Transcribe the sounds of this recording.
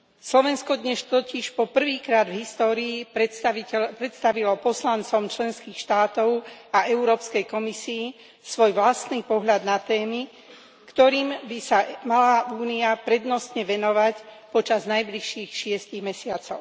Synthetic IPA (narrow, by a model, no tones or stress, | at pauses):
slɔʋɛnskɔd̪ɲɛʃt̪ɔciʃpɔpr̩ʋiːkɾaːd̪vɦist̪ɔːɾiːiɛpɾɛt̪st̪aʋilɔpɔslant͡sɔmt͡ʃlɛnskiːxʃt̪aːt̪ɔʊaʔɛʊɾɔːpskɛjkɔmisiː | sʋɔjʋlast̪niːpɔɦʎad̪nat̪ɛːmi | kt̪ɔɾiːmbisamalaʔuːniapɾɛd̪nɔst̪ɲɛʋɛnɔʋac | pɔt͡ʃaznajbliʃiːxʃɪɛsciɣmɛsɪat͡sɔʊ